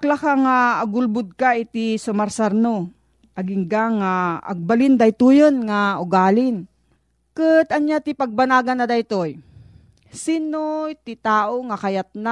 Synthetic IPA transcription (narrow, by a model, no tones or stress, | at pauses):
klakaŋaːɡʊlbʊd̪̚kait̪isʊmaɾsaɾno | ʔaɡɪŋɡaŋa̰ːɡ̚balɪnd̪ajt̪ujonŋaʊɡaːlɪn | kɨt̪aɲjat̪ipaɡ̚banaːɡanːad̪ajt̪oj | sinot̪ɪt̪aːʔoŋakajat̪̚na